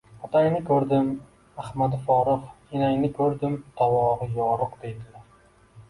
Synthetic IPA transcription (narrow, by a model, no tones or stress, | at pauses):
ɒt̪ʰajnɪkʰʲɵɾd̪ɪm | ahmad̪fɒɾɨfkʲʰinajnɪkʲʰɵɾd̪ɪmt̪ʰɒwɒɾɨjɒɾʊqd̪ejd̪ɪlaɾ